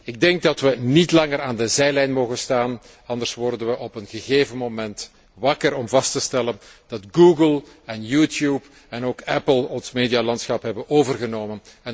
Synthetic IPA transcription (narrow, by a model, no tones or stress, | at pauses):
ɪɡ̚dɛŋɡ̚dɑtʋənitlɑŋəɾaːndəzɛjlɛjnmoːɣənstaːn | ɑnd̪ərsʋɔrdənʋəʔɔpənɣəɣeːvənmomɛnt | ʋɑkəɾɔmvɑstəstɛlənd̥ɑtɡuːɡəlˠ | ɛnjutjuːp | ɛnoːkɛpəlˠɔnsmeːdijalɑntsxɑpɦɛbənoːvərɣənoːmən | ɛ